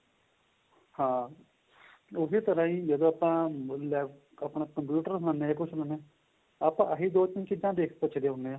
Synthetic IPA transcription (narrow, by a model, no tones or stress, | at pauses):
hãː | ʊsiːt̪əɾãːĩːd͡ʒəd̪õːapãːlɛː | əpɳaːkəmpjuːʈəɾsnãneekʊt͡ʃʰnaneː | aːpãːʔəɦid̪oːt͡ʃɪnkɪd͡ʒãːd̪eːkʰpət͡ʃʰəd̪eːɦʊneãː